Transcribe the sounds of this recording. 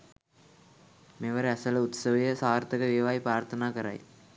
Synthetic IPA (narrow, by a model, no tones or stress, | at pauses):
meʋɐɾɐsɐlɐʊt̪sɐʋɐjɐsaːɾt̪ɐɣɐʋeːʋaːjpɾaːɾt̪ʰɐnaːkɐɾa̰ːj